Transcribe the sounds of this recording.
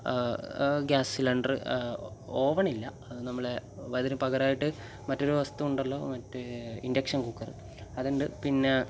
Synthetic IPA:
ɡjaːsilɐɳɖrɨ̰ | oːʋɐɳilːɐɐnɐmːɐɭeʋɐðinupɐɣɐɾaːjiʈːɨ | mɐtːo̞ɾuʋɐst̪uuɳɖɐlːo̞ːmɐtːuḭndɐkʂɐnkukːɐrɨ̰ | ɐðuɳɖɨpinːe̞

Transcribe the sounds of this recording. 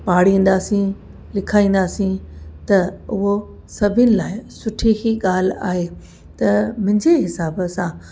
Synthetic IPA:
paːɽ̤ĩːn̆d̪aːsĩ | lɪkʰaːĩːn̆d̪aːsĩt̪ɐʊɦo | sɐbʱɪnɪ̆laːɪsʊʈʰikiɠaːl̤a̰ːɦe | t̪ɐmʊ̃ɦɪ̃ɲd͡ʑeɦɪsaːbəsã

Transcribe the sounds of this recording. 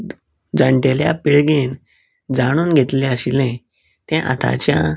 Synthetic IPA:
d͡zaɳʈeljapiɭɡen | d͡zaɽ̃uːnɡʱet̪lẽəɕilɛ̃ | t̪ɛ̃ʔa̰t̪ʰa̰t͡ɕja

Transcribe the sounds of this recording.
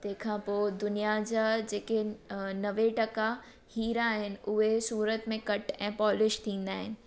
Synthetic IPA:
t̪ɐ̃ɦɪ̃kʰãːpoːd̪ʊnijad͡ʑaːd͡ʑeːkenɐʋeʈɐka | hiːɾaːɦɪnɪ̆ʊɦesuːɾət̪mẽkɐʈɛ̃ːpɔːlɪʃt̪ʰĩːn̆d̪aːɦɪnɪ̆

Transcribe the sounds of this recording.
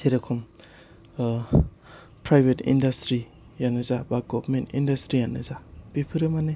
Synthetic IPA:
tʰeɾekʰɔm | pɾajbetḭndastɾi | janɯzabaɡɔbɾmentindastɾijanɯzab̥ipʰɯɾɯmane

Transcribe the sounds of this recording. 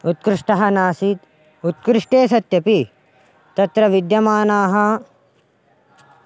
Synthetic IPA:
ut̪̚kɾɪʂʈɐɦɐnaːsit̪ | ut̪̚kɾɪʂʈeːs̬ɐt̪jɐpi | t̪ɐt̪ɾɐʋid̪jɐmaːnaːɦɐ

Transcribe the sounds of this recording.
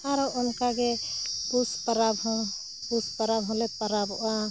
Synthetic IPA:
aɾɔʔunkaɡepuspəɾabɦɔ̃ | puspəɾabɦɔ̃lepəɾabɔʔa

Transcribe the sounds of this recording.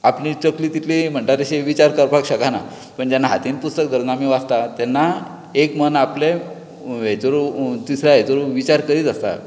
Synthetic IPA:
aplit͡səkliːt̪it̪ʰlim̤əɳʈat̪eɕiʋit͡ɕaɾkəɾpakɕəkana | pəɳd͡ʑanːaɦat̪iːnpust̪ək̚d̪əɾnamiʋast̪at̪ɛnːa | ekmənaple | ɦet͡soɾut̪isɾaɦet͡soɾuʋit͡ɕaɾkəɾiːt̪əst̪a̰

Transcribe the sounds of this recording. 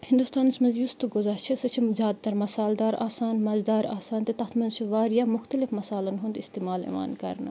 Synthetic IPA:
hɪnd̪ust̪aːnsmɐ̃nzjust̪uɡʊzaɾt͡ʃʰisɐt͡ʃʰizʲjaːd̪̚t̪ɐɾmɐsaːld̪aːɾaːsaːnmɐzd̪aːɾaːsaːnt̪ɐt̪ɐxt̪mɐ̃nzt͡ʃʰiʋaːɾjaːmʊxt̪ɐlɪfmɐsaːlɐnɦund̪ɪst̪eːmaːlḛːʋa̰ːnkɐ̰ɾnɐ̰

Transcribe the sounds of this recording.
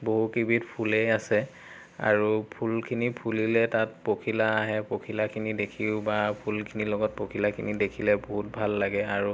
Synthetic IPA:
boɦukibitpʰulejasɛ | a̰ɹupʰulkʰinipʰulilɛtatpokʰilaːɦɛpokʰilakʰinidekʰiʊbapʰulkʰinilɔɡɔt̚pokʰilakʰinidekʰilɛboɦut̚bʱalːaɡɛaɹu

